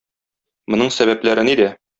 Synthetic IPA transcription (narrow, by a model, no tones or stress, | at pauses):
mŏnɤɴsæβæplæɾɘnid̪æ